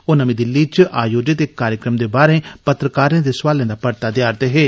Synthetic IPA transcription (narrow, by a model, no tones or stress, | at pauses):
oːnəmĩːd̪ɪlːiːt͡ʃʔaːjoːd͡ʒet̪eːkkːaːɾjəkɾəmd̪eːbaːɾẽːpət̪ɾəkaːɾẽːd̪eːsʋaːlẽːd̪aːpəɾt̪aːd̪jaːɾt̪eːɦeː